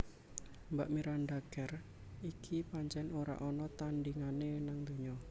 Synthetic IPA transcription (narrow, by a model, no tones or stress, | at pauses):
mbaʔmiɾanɖaɡ̥ɛr | ikʰipaɲt͡ʃɛnoɾa̰ʔɔnɔt̪andiŋanenaŋd̪o̤ɲɔ